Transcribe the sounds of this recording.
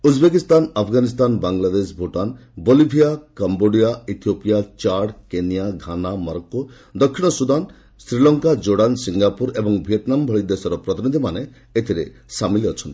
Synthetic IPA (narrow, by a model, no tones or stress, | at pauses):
ud͡ʒbekist̪anapʰɡanist̪anbaŋlad̪es̬bʱoʈan | bolibʱijakamboɖijait̪ʰijopijat͡ʃaɽkenijaɡʱanamɔɾɔko | d̪ɔkʰːiɽ̃ɔsud̪an | sɾilɔŋkad͡ʒoɽansiŋɡapuɾebɔŋbʱieʈ̪nambʱɔɭid̪esɔɾɔpɾɔt̪inid̪ʱimane | et̪ʰiɾḛ | samiliɔt͡ʃʰɔnt̪i̥